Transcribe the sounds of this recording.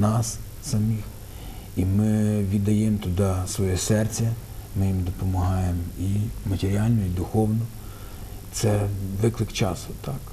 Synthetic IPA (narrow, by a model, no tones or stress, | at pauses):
nɑs | sɐmʲix | imɪʋʲid̪ɐjɛmt̪ʊd̪ɑsʋɔjɛsɛrt͡sʲɐmɪjimd̪ɔpɔmɐɦɑjemimɐtʲeɾʲɑlʲnɔid̪ʊxɔwnɔ | t̪sɛʋɪklˠɪkt͡ʃɑsʊt̪ɑk